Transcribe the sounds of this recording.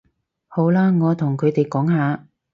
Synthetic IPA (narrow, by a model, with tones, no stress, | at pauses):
ho˨˥wlaː˥ŋɔː˨˧t̪ʰʊ˨˩ŋkʰɵ˨˧t̪e˨jkɔː˨˥ŋhaː˨˧